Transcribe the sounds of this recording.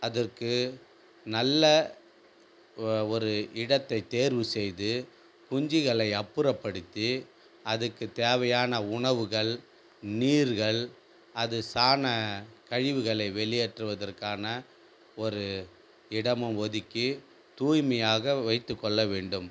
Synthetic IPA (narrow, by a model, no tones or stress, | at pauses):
ɐðɐrkɯ | nɐlːɐ | ɔɾɯɪɽɐt̪ːɐɪt̪eːɾʋɯsɛjðɯ | kʊɲd͡ʒɪɣɐɭɐɪɐpːɯɾɐpːɐɽɯt̪ːi | ɐðɯkːɯt̪eːʋɐjaːnɐʊɳɐʋɯɣɐɭ | niːɾɣɐɭ | ɐðɯsaːnɐkɐɻɪʋɯɣɐɭɐɪʋɛɭɪjeʈrɯʋɐðɐrkaːnɐ | ɔɾɯ | ɪɽɐmɯmʋɔðɪkːi | t̪uːjmɐjaːɣɐʋɐɪt̪ːɯkːɔɭːɐʋeːɳɖɯm